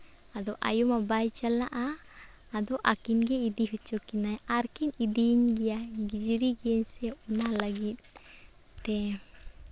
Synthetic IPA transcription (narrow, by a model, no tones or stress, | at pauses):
ad̪ɔʔa̰jumabajt͡ʃalaʔaː | d̪ɔʔakinɡɛid̪iɦut͡ʃɔkinajaɾkinidiɲɡijaɡid͡ʒiɾiɡɛɲsɛɔnahlaɡit̪̚ː | ɛ